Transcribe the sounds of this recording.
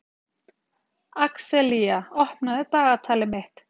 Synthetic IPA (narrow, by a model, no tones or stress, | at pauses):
aksɛliaɔhpnaðɪtaːɣat̪ʰaːlɪmɪht̪